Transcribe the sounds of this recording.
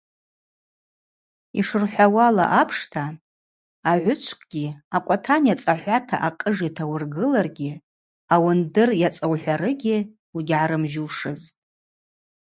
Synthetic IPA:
iʂɨrħʷawala̰ʔapʰʂtʰaː | ʕʷʊt͡ʃʷʰkʼɡ̥ʲiakʷʼatʰanjat͡sʼaħʷatʰa̰ʔaqʼəʐatʰawʊrɡɨlarɡʲi | awandɨrjat͡sʼawħʷᶣaɾɨɡʲɪ | wiɡʲʕaɾɨmʒuwʂɨzʼ

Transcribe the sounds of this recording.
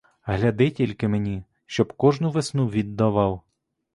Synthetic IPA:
ɦlʲɐd̪ɪtʲilʲkɪmenʲi | ʃt͡ʃɔbkɔʒnʊʋesnuʋʲid̪ːɐʋɑw

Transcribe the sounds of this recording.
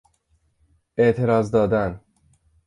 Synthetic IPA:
eʔt̪ʰe̞ɾɒːzd̪ɒːd̪æn

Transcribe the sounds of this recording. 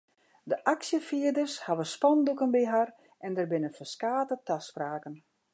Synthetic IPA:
dəʔaksjəfiədərshaʋənspɔndukənbiɦar | ʔɛndərbɪnəfəskaːtətaspraːkən

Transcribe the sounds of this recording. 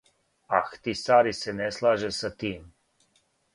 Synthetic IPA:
axt̪isaːɾisɛnɛslaːʒɛsat̪iːm

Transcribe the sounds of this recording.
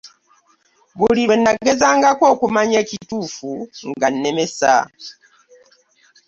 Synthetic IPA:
βuliβenːaɡezaːŋɡako̞ːkumaɲecituːfuŋɡanemesa̰

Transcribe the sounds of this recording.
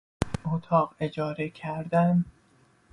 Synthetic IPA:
ot̪ʰɒːɢe̞d͡ʒɒːɾecʰæɾd̪æn

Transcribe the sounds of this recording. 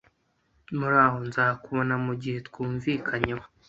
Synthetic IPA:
muɾaːho̞nzahakuβonamuɟihe̞tkuːɱviːkʰaɲewo

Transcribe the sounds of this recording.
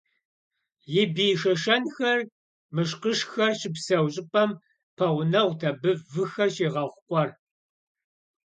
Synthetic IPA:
jɪbiːʂɐʃɐnxɐr | mɨʂqəʃxɐrɕɪpsɐwɕʼɪpʼɐm | pʰɐʁʷnɐʁʷtʰɐbɨvɨxɐrɕeːʁɐχʷʊqʷʼɔr

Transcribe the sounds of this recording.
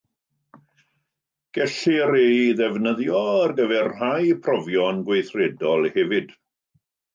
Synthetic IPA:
ɡ̥ɛɬɪɾeðɛvnəðjɔarɡəvɛrhajpʰrɔvjɔnɡwejθrɛdɔlˠhɛvɨd̥

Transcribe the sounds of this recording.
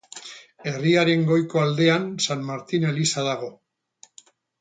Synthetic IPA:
e̞riaɾe̞ŋɡo̞jko̞ald̪e̞ansanmaɾt̪ine̞lisaðaɣo̞

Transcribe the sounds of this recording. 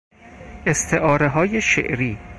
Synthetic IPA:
ʔest̪ʰe̞ʔɒːɾeɦɒːjeʃḛʔɾiː

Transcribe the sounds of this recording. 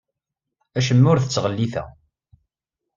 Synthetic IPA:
æʃəmːʊɾθət͡sːʁəlːiθæ̰

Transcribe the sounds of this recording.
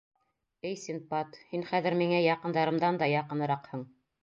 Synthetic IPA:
ɘjsimpɑt̪hinχæðɘ̆ɾmiŋæjɑqɤ̆nd̪ɑɾɤ̆md̪ɑnd̪ɑjɑqɤ̆nɤ̆ɾɑqhɤɴ

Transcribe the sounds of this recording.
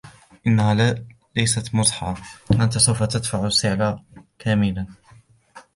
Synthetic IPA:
ʔɪnːaha | lajsat̪mʊsˤħɑʕɑʔant̪asawfat̪ad̪faʕsɪʕlakʰæːmɪlan

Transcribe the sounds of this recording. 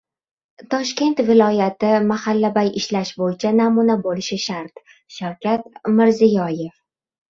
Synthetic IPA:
t̪ʰɒʃkʲe̞nt̪vɪlˠɒjat̪ɪmahalːabajɪʃlaʃbojɪt͡ʃʰanamunabolɪʃɪʃaɾt̪ | ʃawkʲʰat̪mɪɾzɪjɒjef

